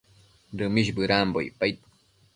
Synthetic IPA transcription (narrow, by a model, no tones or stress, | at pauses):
ɾɨmiʃbɨɾambo̰jpajt̪